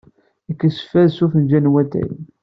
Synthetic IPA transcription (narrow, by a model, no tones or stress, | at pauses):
əkːəsə̥fæðsufənd͡ʒænwæt̪æ̰n